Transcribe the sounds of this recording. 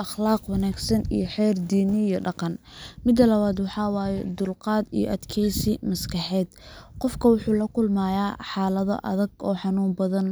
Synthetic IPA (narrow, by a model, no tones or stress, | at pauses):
ʔɑχlɑːqwɑnaːɡsɐnḭjɞħɛːrd̪iːnɪjɔɖɑqɑnmɪd̪ɐlɐβaːd̪wɑħɑːwɑːjɛd̪ʊlqɑːd̪ḭjɔ̰ʔɐd̪kʰɛjsɪmɐskʰɑħɛːd̪qɔfkʰɐwʊħuːlɐkʰʊlmaːjaːħɑːlɐðɔ̰ʔɐ̰ðɐɡɔ̰ːħɑnuːmbɐðɐn